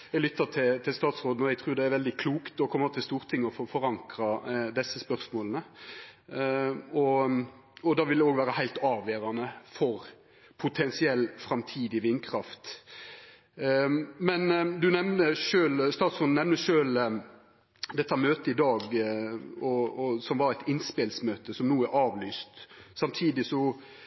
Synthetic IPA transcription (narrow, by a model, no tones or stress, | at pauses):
jɛɡlʏt̪ːɑt̪ʰɪlt̪ʰɪlst̪ɑːt̪sʁoːd̪n̩ɔjɛt̪ʰʁʉːɾd̪ɛæɾʋɛld̪ɪkʰluːkt̪ɔkʰɔmːət̪ʰɪlst̪uːʁt̪ʰɪŋːɔffɔɾɑŋkɾɑd̪ɛsːəspœʁsmoːlənə | ɔ | ɔd̪ɑːʋɪlɛoːɡʋæːɾəhæɪlt̪ɑːʋeːɾɑnəfɔɾ | pʰʊt̪ʰɛnsɪɛlːfɾɑmt̪ʰiːd̪ɪʋɪnːkʰɾɑft̪ | mɛnd̪ʉnɛʋnəʂøːlst̪ɑːt̪sʊnnɛʋnəʂøːl | d̪ɛt̪ʰːəmøːt̪əɪd̪ɑːɡ | ɔɔsɔmʋɑɾæɪt̪ɪnspeːlsmøːt̪əsɔmnuːæɾʔɑːʋlyːst̪sɑmt̪ʰiːd̪ɪsɔ